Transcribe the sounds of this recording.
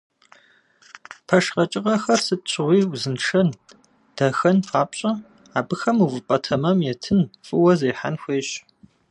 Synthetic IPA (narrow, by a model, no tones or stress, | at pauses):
pʰɐʂqɐt͡ʃʼɪʁɐxɐrsɨt̚ɕʰɪʁʷiːwzɨnʈ͡ʂɐn | d̥ɐxɐnpʰaːpɕʼɐ | aːbɨxɐmuvɨpʼɐtʰɐmɐmjɛtʰɨnfʼɨwɐzeːħa̰nxʷeːɕ